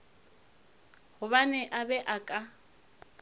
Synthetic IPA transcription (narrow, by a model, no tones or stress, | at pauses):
hʊβanɛʔabɛʔakʼa